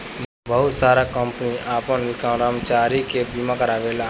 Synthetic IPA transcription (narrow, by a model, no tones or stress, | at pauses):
bəɦʊt̪saːɾakəmpəniaːpənʋɪkãɾəmt͡ʃaːɾikebiːmãkəɾaːʋeːlaː